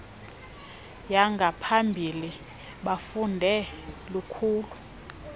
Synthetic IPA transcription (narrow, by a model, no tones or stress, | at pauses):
jaŋɡʱapʰambʱili | ɓafundʱɛlukʰuːlu